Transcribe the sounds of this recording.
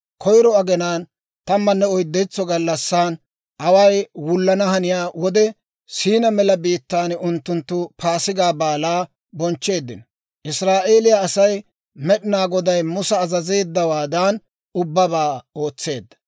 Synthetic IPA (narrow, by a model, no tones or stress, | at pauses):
kʰɔjɾɔɐɡɛnaːn | t̪ɐmːɐnːɛɔjd̪ːɛt͡sːɔɡɐlːɐsːaːn | ʔɐwɐjwʊlːɐnɐhɐnɪjaːwɔd̪ɛ | siːnɐmɛlɐbiːt̪ːaːnʊnt̪ːʊnt̪ːʊpʰaːsɪɡaːbaːlaː | bɔnt͡ʃːe̞ːd̪ːɪnɔ | ʔɪsɾaːʔe̞ːlɪjaːsɐj | mɛɗɪnaːɡɔd̪ɐjmʊsɐːzɐzeːd̪ːɐwaːd̪aːn | ʊbːɐbaːo̞ːt͡sːe̞ːd̪ːɐ̥